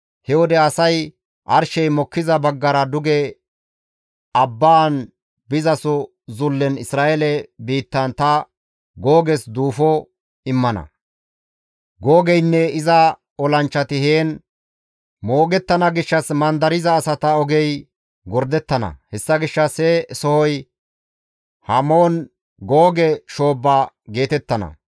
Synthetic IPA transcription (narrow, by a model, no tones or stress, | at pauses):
hɛwɔd̪ɛɐsɐj | ʔɐɾʃɛjmɔkːɪzɐbɐɡːɐɾɐd̪ʊɡɛ | ɐbːaːn | bɪzɐsʊ | zʊlːɛnɪsɾaːʔɛlɛbiːt̪ːɐnt̪ɐ | ɡoːɡɛsd̪uːfɔ | ɪmːɐnɐ̰ | ɡoːɡɛjnːɛɪzɐ | ɔlɐnt͡ʃːɐt̪ɪheːn | mo̞ːɡɛt̪ːɐnɐɡɪʃːɐsmɐnd̪ɐɾɪzɐːsɐt̪ɐɔɡɛj | ɡɔɾd̪ɛt̪ːɐnɐ̰hɛsːɐɡɪʃːɐsɛsɔhɔj | hɐmoːn | ɡoːɡɛʃo̞ːbːa | ɡe̞ːt̪ɛt̪ːɐnɐ̰